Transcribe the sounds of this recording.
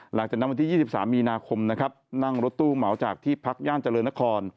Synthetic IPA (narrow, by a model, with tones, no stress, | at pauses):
la˨˩˦ŋt͡ɕaː˨˩kna˦˥wnt̪iː˥˩jiː˥˩si˨˩p̚saː˩˦mːiː˧naː˧kʰo˧mna˦˥kʰa˦˥p̚na˥˩ŋɾo˦˥t̪ːuː˥˩ma˩˦wt͡ɕaː˨˩k̚t̪ʰiː˥˩pʰa˦˥k̚jaː˥˩nt͡ɕa˧lɤː˧nːa˦˥kʰɔː˧n